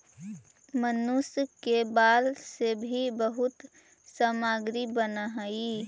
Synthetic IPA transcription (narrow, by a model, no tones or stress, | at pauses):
mənʊskebaːlsebʱibəɦʊt̪ | saːmaːɡɾibənaɦai